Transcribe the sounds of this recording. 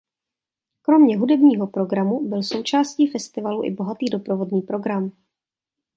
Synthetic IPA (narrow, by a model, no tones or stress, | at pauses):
kɾo̞mɲɛɦudɛbɲiːɦo̞pɾo̞ɡɾamubɪlso̞wt͡ʃaːsciːfɛst̪ɪvaluʔɪ̰bo̞ɦat̪iːdo̞pɾovo̞dɲiːpɾo̞ɡɾam